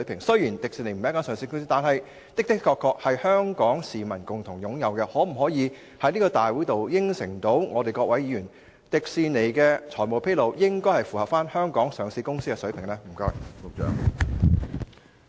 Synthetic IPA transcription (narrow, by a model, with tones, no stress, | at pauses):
ɥpʰɪ˨˩ŋsɵ˥ɥjiː˨˩nt̪ɪ˨ksi˧ne˨˩jm̩˨˦˥kaː˥sœː˨˧ŋsi˧kʊ˥ŋsiː˥t̪aː˨nhɐ˨j | t̪ɪ˥k̚t̪ɪ˥kkʰːɔː˧kʰːɔː˧k̚hɐ˨jhœː˥ŋkɔː˨˥ŋsiː˨˩mɐ˨˩nkʊ˨˩ŋt̪ʰʊ˨˩ŋjʊ˨˥ŋjɐ˨wkɛ˧hɔː˨˥m̩˨˩ɦɔː˨˥jiː˨˧ | hɐ˨˥niː˥kɔː˧t̪aː˨˩jwuː˨˥t̪o˨wjɪ˥ŋsɪ˨˩ŋt̪o˨˥wŋɔː˨˧t̪e˨jkɔː˧k̚wɐ˨˥jiː˨˧jyː˨˩n | t̪ɪ˨˩k̚siː˨˧ne˨˩jkɛː˧t͡sʰɔː˨˩jmo˨wpʰe˥jlo˨˧wjɪ˥ŋkɔː˥jhɐ˨˩jfu˨˩hɐ˨p̚faː˥nhœː˥ŋkɔː˨˥ŋsœː˨˧ŋsiː˧˥kʊ˥ŋsiː˥kːɛ˧sɵ˨˥ɥpʰɪ˨˩ŋlɛː˥m̩˨˩kœː˧œ̰ː˨ŋ